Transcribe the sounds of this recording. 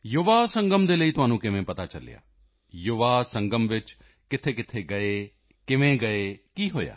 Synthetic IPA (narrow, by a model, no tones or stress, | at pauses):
jʊʋaːsəŋɡəmd̪eːləiːt̪ʊɦaːnũːkɪʋẽːpət̪aːt͡ʃəlɪ̰ja̰ː | jʊʋaːsəŋɡəmʋɪt͡ʃ | kɪt̪ʰeːkɪt̪ʰeːɡəeː | kɪʋẽːɡəeːkiːɦo̰ːja̰ː